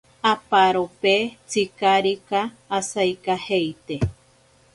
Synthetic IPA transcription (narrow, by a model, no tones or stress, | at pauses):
apaɾopet͡sikaɾikaː | sajkahejt̪e